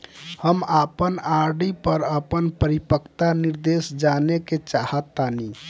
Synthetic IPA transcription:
həmapənaɾɖipəɾəpənpəɾipəkʰt̪aniɾd̪esd͡ʒaneket͡ʃahət̪ːani

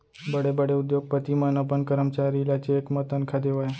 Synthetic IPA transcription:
bəɽebəɽeʊd̪joɡ̚pət̪imãnəpəɳkəɾəmt͡ʃaɾilat͡ʃekmət̪ənkʰad̪eʋaj

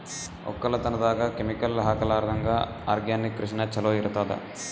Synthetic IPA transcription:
ɔ̰kːɐlɐt̪ɐnɐd̪aːkaːkemikɐlɦaːkɐlaːɾd̪ʱɐŋɡaː | aːɾɡjaːnːikːɾiʂnɐt͡ʃɐloːiɾɐt̪aːd̪ɐ̰

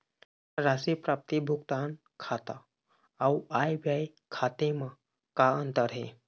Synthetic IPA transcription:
ɾasipɾap̚t̪ibʱuɡt̪an | kʰat̪a | awuajbjaj | kʰat̪ema | kaənt̪əɾɦe

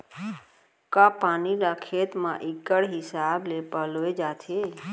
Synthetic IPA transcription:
kãpanilakʰet̪mã̰ʔikːəɽɦisablepəloed͡ʒat̪ʰe

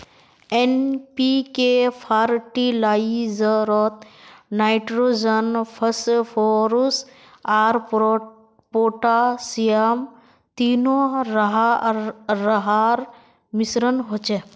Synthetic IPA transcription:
enpikepʰaːɾʈilaːizəɾɔt̪̚naːjʈɾod͡ʒənpʰəspʰoɾus | aːɾ | poːʈasijam | t̪inoɾɦaː | əɦaɾ | misɾənɦot͡ʃe

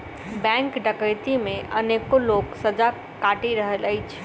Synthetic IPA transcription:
bɛ̃ŋkɖəkəjt̪imẽʔənekoloksəd͡ʒa | kaʈiɾəɦələjt͡ʃʰ

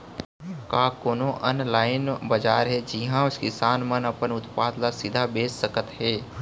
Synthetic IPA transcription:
kaːkoːnoʔənlaːɪnbɐd͡ʒaːɾɦɛd͡ʒiɦãʊskisaːnmənɐpənʊt̪paːd̪lasɪd̪ʱabeːsːəkət̪ɦɛː

